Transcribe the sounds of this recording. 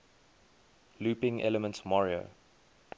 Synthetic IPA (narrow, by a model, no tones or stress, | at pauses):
luːpɪ̃ŋʔɛ̰ləmə̃ntmɔɹio̰